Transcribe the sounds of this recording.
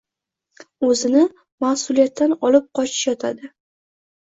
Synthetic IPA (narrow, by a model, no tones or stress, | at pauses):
ɵzɪnɪ | mahsʊlˠijat̪ːanɒlɪp̚qʰɒt͡ʃʰɪ̥ʃjɒt̪ʰad̪ɪ